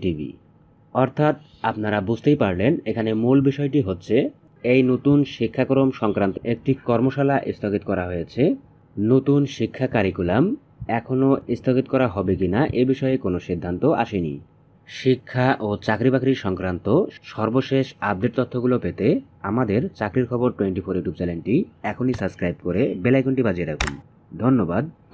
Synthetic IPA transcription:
ʈibḭ | ɔɾt̪ʰat̪ | apnaɾabud͡ʑʱt̪ejpaɾlenekʰanemulbiʃɔeʈiɦotːɕʰe | ejnot̪unʃikʰːakɾomʃɔŋkɾant̪oʔek̚ʈikɔɾmoʃalaʔest̪ʰokit̪̚kɔɾaɦojet͡ɕʰe | not̪unʃikʰːakaɾikulam | ɛkʰonoist̪ʰokit̪kɔɾaɦɔbekinaʔebiʃɔekonoʃid̪ʱːant̪oʔa̰ʃenḭ | ʃikʰːaʔot͡ɕakɾibakɾiɾʃɔŋkɾant̪oʃɔɾboʃeʃab̚ɖeʈ̚t̪ot̪ʰːoɡulopet̪e | amad̪eɾt͡ɕakɾiɾkʰɔboɾʈweɳʈifʰoɾjuʈjub̚t͡ɕɛlenʈiɛkʰonisəbskɾajbkoɾebelajkoɳʈibad͡ʑieɾakʰun | d̪ʱonːobad̪̚

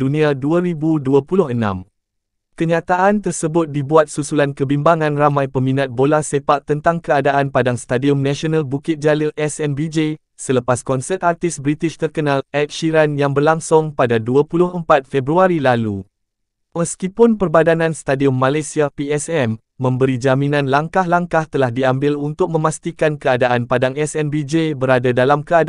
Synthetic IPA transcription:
dunĩaduaɾibuduapulʊɦənã̰m | kəɲãt̪aʔant̪ərsəbʊt̪̚dibuat̪̚susulankəbimbaŋãnramãjpəmĩnat̪̚bolahsepaʔt̪ənt̪aŋkəadaʔanpadaŋst̪adiʊmnãʃionãlbukɪt̪̚d͡ʒalilʔɛsɛnbid͡ʒe | sələpaskɔnsət̪̚art̪ɪsbɾit̪ɪʃt̪ərkənãlɛt̪̚ʃiɾanjaŋbərlaŋsʊŋpadaduapulʊɦəmpat̪̚fɛbɾuaɾilalu | məskipʊnpərbadanãnst̪adiʊmːãlajsiapiɛsɛmː | ə̃mbəɾid͡ʒamĩnãnlaŋkahlaŋkaht̪əlahdiambɪlunt̪ʊk̚mə̃mãst̪ikankəadaʔanpadaŋɛsɛnbid͡ʒebəɾadadalamkəad

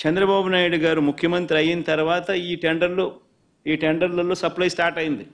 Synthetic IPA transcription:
t͡ʃɛnd̪ɾɐbaːbunaːjuɽuɡaːɾumukʰjɐmɐnt̪ɾiɐjinɐt̪ɐɾuʋaːt̪ɐiːʈeɳɖɐɾlo | iːʈeɳɖɐɾlɐloːsɐplɐjsʈaːɾʈɐjind̪i

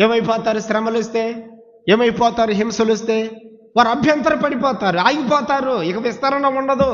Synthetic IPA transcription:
eːmɐjpɔːt̪aːɾuʃɾɐmɐlist̪eː | eːmɐjpɔːt̪aːɾuɦemsulist̪eː | ʋaːɾuɐbʱjɐnt̪̬ɐɾɐpɐɽipɔːt̪aːɾuaːjɡipɔːt̪aːɾuikɐʋist̪ɐɾɐɳɐuɳɖɐd̪u

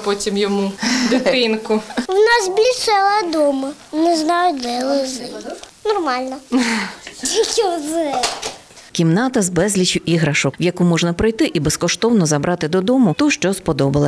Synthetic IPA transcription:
pɔtʲimjɔmud̪ɪt̪ɪnkʊwnɑzbʲlʲisɛlˠɐd̪ɔmɐ | nɛznɑjʊd̪ɛlˠɪzɪnɔrmɑlʲnɐ | d̪ʲitʲɔz | kʲimnɑt̪ɐzbɛzʲlʲit͡ʃʲʊʔiɦɾɐʃɔkwjɐkumɔʒnɐpɾɪjt̪ɪʔibeskɔʃt̪ɔwnɔzɐbɾʔɑt̪ɪd̪ɔd̪ɔmʊt̪uʃt͡ʃɔspɔd̪ɔbɐlˠɐ

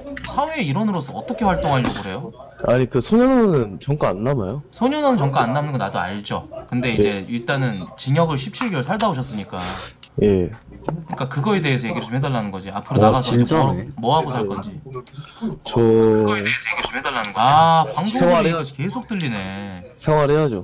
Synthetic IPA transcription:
sʰawe̞ːiɾʌnɯɾosʰʌːt͈ʌkʰe̞ɸwaɭt͈oŋɦaɭjʌɡɯɾe̞joaɲikɯsʰoɲʌnanɯnt͡ɕʌŋk͈aanːamajosʰoɲʌnanɯnt͡ɕʌŋk͈aanːamnɯnɡʌnadoa̰ʎd͡ʑokɯnde̞id͡ʑe̞iɭt͈anɯnt͡ɕiŋjʌɡɯɭɕʰip̚t͡ɕʰiɭɡʌɭsʰaɭdaboɕ̬ʰʌs͈ɯɲik͈aje̞ | ɯik͈akɯɡʌe̞de̞eːsʰʌje̞ɡiɾɯɭt͡ɕomhʰedaɭːanɯnɡʌd͡ʑia̰pʰɯɾonaɡasʰʌt͡ɕommʌɦaɡosʰaɭk͈ʌnd͡ʑi | t͡ɕʌeeesʰʌjeɡiɯt͡ɕomhedaɭːanɯnɡʌapaŋbʰoɡid͡ʑke̞sʰok̚t͈ɯʎːine̞sʰeŋwaɾead͡ʑo

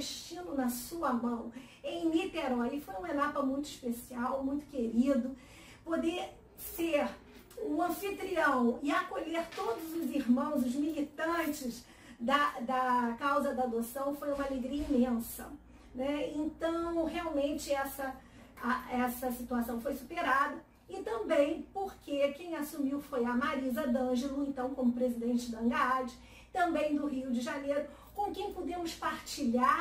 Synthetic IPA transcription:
ʃt͡ʃĩnʊnɐsuɐmɐ̃w̃ | ẽj̃lit̪eɾɔlɪfojũmɐenapɐmũj̃t̪ʊiʃpesiawmũj̃t̪ʊ̥keɾid̪ʊ | pod̪e | seɾ | ũɐ̃fit̪ɾiɐ̃w̃ɪakoʎeɾt̪od̪ʊzʊziɾmɐ̃w̃zʊzmilit̪ɐ̃t͡ʃɪz | d̪ɐd̪ɐkawzɐd̪ɐːd̪osɐ̃w̃fojũmɐaleɡɾiɐĩmẽsɐ̰ | nɛẽnt̪ɐ̃w̃ɦeawmẽnt͡ʃɪɛsɐ | aɛsɐsit̪uasɐ̃w̃fojsupeɾad̪ɐ | ɪt̪ɐ̃mbẽj̃poɾkekẽj̃asumiwfojɐmaɾizɐd̪ɐ̃ʒelʊẽnt̪ɐ̃w̃kõmʊpɾezid̪ẽnt͡ʃɪd̪ɐ̃ŋɡaad͡ʒɪ | t̪ɐ̃mbẽj̃d̪ʊɦiud͡ʒɪʒanejɾʊ | kõw̃kẽj̃pod̪ẽmʊspaɾt͡ʃiʎaɾ

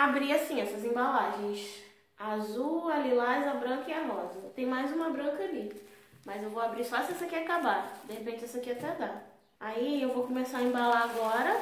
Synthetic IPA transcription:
abɾiasĩɛsɐzẽbalaʒẽj̃s | azualilazɐbɾɐ̃kɐɛmɔzɐt̪ẽj̃majzũmɐbɾɐ̃kɐali | mɐzewvoabɾisɔsɛsekɛakabad̪ehepẽt͡ʃɪɛsekɛɐt̪ed̪a | aiewvokõmesaɾɐẽmbalaaɡɔɾɐ

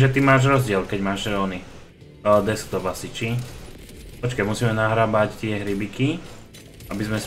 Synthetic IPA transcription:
ʒɛt̪imaːʒɾɔzɟɪɛlkɛɟmaːʒɾɔːni | d̪ɛsk̚d̪ɔbasit͡ʃi | pɔt͡ʃkamusiːmɛnaɦɾaːbact̪ɪɛɦɾibiki | ʔabizmɛ

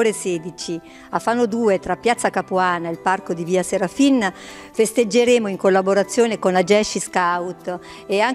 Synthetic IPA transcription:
oːɾeseːd̪it͡ʃi | afːanːod̪uːet̪ɾapːjat̪sːakapuaːnaelparkod̪iviːaseɾafinː | fest̪ed͡ʒːeɾeːmoiŋkolːaboɾat̪sːjoːnekonlad͡ʒɛʃiskawt̪ | eaŋ

